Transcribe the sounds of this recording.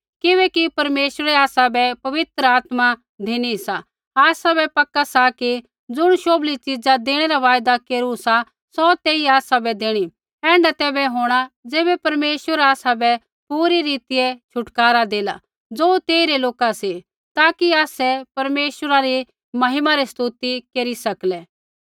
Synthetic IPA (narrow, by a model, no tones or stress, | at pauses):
kɪʋɛːkipɐɾmeːʃəɾɛaːsabɛpɐʋɪt̪ɾəaːt̪ma | d̪ʱeːɽ̃isa | aːsabɛpɐkːasaki | d͡zʊɽ̃ʃoːblit͡ʃɪd͡zad̪eːɽ̃ɛɾaʋaːjd̪akeːɾusa | sɔt̪eːiaːsabɛd̪eːɽ̃i | ɛ̃ːɳɖat̪ɛːbɛɦoːɽ̃ad͡zeːbɛpɐɾmeːʃwəɾaːsabɛ | puːɾiɾiːt̪ɪjɛt͡ʃʰʊʈkaːɾad̪eːla | d͡zoːt̪eːiɾɛloːkasi | t̪aːkiaːsɛpɐɾmeːʃwəɾaɾi | mɐɦɪmaɾist̪uːt̪ikeːɾisɐklɛ